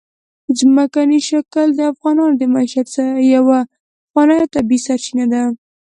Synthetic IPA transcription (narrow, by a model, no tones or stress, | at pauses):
zmakaniʃakəld̪əafɣɑnɑnod̪əmaʃad̪saɾajawa | fwɑnɑjɑt̪abisaɾt͡ʃinad̪a